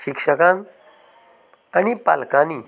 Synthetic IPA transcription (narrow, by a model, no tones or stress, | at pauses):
ɕikʂəkãn | anipa̰lkani